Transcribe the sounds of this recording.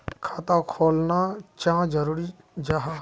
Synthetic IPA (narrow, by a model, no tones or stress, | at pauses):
kʰaːt̪akʰoːlnat͡ʃãːd͡ʒəɾuːɾi | d͡ʒaɦa